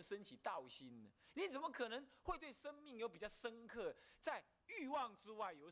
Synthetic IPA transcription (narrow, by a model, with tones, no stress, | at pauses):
ʂə˦nt͡ɕʰi˨˩t̪ɑ˥˨ʊɕi˦nnə˦ni˨˦˥t͡sə˨˩nmə˧˦kʰɤ˨˩nə˧˦ŋxwe˥˧ɪt̪we˥˩ɪʂə˥ŋmi˥˩ŋjo˧˥ʊpi˨˩t͡ɕjʊʂə˦˥nkʰɤ˥˩t͡sa˥˧ɪ | y˥˧wɑ˥˨˩ŋʈ͡ʂɻ̩˦wa˥˩ɪjo˨˦ʊ